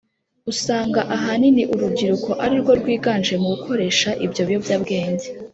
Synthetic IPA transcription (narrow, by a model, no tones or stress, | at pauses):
usaːŋɡaʔaɦaniniʔuɾubɟiɾuko̞ʔaɾiɾɡwo̞ɾɡwiːɡaːnʒemuɡukʰo̞ɾe̞ːʃaʔibjo̞βjo̞vjaːbɡe̞ːɲɟe